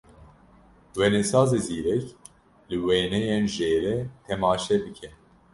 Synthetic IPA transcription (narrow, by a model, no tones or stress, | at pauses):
wɛnɛsɑːzeziːɾɛk | lɨweːnɛjenʒeːɾɛt̪ʰɛmɑːʃɛbɨkʰɛ